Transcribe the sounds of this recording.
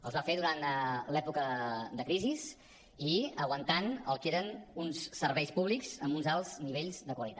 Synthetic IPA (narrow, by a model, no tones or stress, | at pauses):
əlˠzβafeðuɾant̪lɛpukəd̪əkɾiziz | iəɣwənt̪anə̰lˠkeɾənunsːəɾβɛjspuβlikz̥əmbunzalˠz̥niβ̞eʎzðəkwəlit̪at